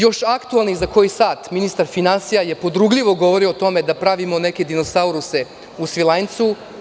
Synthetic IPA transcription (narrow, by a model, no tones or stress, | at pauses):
jo̞ʃakt̪ualnizako̞jisaːt̪minist̪aɾfinansijaje̞po̞d̪ɾuɡʎʲiʋo̞ɡo̞ʋoɾiot̪o̞me̞d̪apɾaʋimo̞neke̞d̪ino̞sauɾuse | usʋilˠant̪su